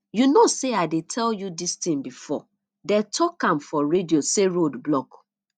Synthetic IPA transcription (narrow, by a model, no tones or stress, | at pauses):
junoseaɪdetʰɛljudistĩmbifɔ̰ | dɛtʰɔkãmfɔɹedioseɹodblɔk